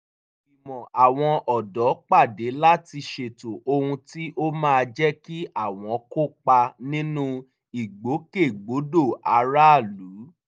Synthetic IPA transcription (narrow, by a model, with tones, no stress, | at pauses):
i˨mɔ̃˨ʔa˨w̃ɔ̃˧ʔɔ˨dɔ˨˦k͡pa˦˨de˨˦la˦ti˧ʃe˧to˨ʔo˧hũ˧ti˦ʔo˦mãː˦˧d͡ʒɛ˦ki˦ʔa˦˨w̃ɔ̃˨˦ko˦k͡pa˧nĩ˦nũ˦ | i˨ɡ͡bo˨˦ke˦˨ɡ͡bo˨˦do˦˨a˧ɾa˦a˦˨lu˨˦